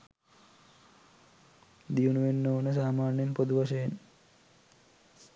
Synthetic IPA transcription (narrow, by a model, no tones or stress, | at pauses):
d̪ijunuʋenːoʋnəs̬aːmaːrnjenpod̪uʋaʃəjen